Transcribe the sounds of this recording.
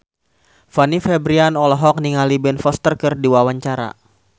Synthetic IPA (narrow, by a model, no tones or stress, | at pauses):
fanifɛbɾianɔlɔɦɔk̚niŋalibɛnfɔst̪ərkɨrdiwawaɲt͡ʃaɾa̰